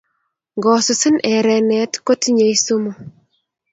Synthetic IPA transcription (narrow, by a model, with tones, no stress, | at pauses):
ɡɔ˨sʊ˨sɪ˦nʔɛ˨ɾɛ˨nɛ˨˦tko˦tɲe˨i˦su˦mo˨